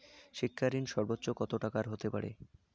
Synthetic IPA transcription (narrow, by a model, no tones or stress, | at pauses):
ʃikʰːaɾinʃɔɾbotːɕokɔt̪oʈakaɾɦot̪epaɾḛ